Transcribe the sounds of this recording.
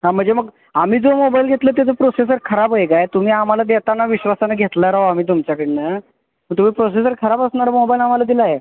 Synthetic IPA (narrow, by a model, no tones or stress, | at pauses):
ɦãm̤əɳd͡zeməɡ | am̤iːd͡zomobailɡʱet̪lət̪̬at͡səpɾoses̬əɾkʰəɾapəekajt̪um̤iːam̤alad̪et̪anːaʋiɕʋasanaɡʱet̪laɾaɦoam̤iːt̪̬umt͡ɕjakəɽina | məɡt̪um̤iːpɾos̬es̬əɾkʰəɾapasnaɾəmobailam̤alad̪ilaɦe